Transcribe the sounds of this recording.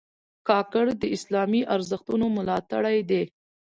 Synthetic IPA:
kɑkəɽd̪əɪslɑmiʔaɾzəxt̪unomʊlɑt̪a̰ɽajd̪e

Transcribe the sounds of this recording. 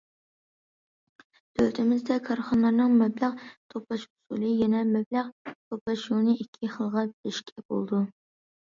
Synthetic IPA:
d̪̥ʰølt̪ʰɪmɪzd̪ɛkʰɑɾχɑnɑɾnɨŋmɛblæqt̪ʰopʰɑʃusṵlˠɨjɛnɛmɛblæqt̪ʰopɑʃunɨikʲʰːiχəlˠʁɑɪʃkʲʰɛbo̰lˠd̪u

